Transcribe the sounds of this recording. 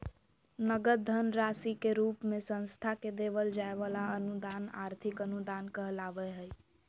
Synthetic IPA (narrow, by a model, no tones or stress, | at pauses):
nəɡəd̪ʱənɾasikeɾupmesə̃nst̪ʰaked̪eʋəld͡ʒaeʋalaənud̪ana̰ɾt̪ʰikənud̪ankəɦəlaʋɛɦəj